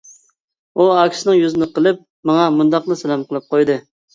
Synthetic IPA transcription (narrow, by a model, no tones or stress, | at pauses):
uɑkʲsɪnɨŋjyzɪnɨqəlˠɨp̚ | mɑŋɑmund̪ɑqnɨsɛlɛmqəlˠɨp̚qʰojd̪ɨ